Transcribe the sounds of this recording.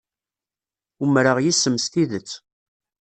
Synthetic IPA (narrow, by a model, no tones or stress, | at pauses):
umɾəʁjisːəmst̪iðət͡sː